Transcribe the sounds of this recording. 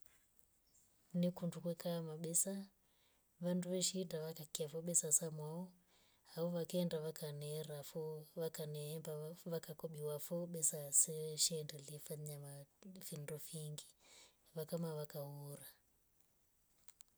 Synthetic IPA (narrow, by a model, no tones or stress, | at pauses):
nikundukwɛkamaɓɛsa | βanduʋɛʃidaʋakakiafɔɓɛsasamwaɔ | haɔʋakɛːndaʋakanɛɾafɔakanɛmbaβakakɔɓiwafɔɓɛsasɛʃɛːndɛliɛfaɲamafindɔfiŋɡi | βakamaβakauɾa